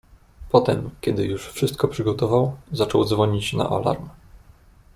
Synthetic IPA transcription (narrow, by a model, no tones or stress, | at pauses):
pɔt̪ɛmkʲɛd̪ɘjuʂfʂɘst̪̚kɔpʂɘɡɔt̪ɔvawzat͡ʂɔwzvɔɲit͡ɕna̰ʔɔ̰la̰ɾm